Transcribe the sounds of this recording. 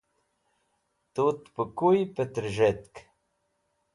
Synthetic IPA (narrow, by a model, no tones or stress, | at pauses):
t̪ut̪pəkujpət̪ɾʒɛt̪k